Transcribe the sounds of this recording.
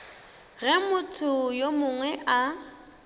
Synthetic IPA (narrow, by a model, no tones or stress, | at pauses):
ɣɛmʊtʰʊjomʊŋwɛʔa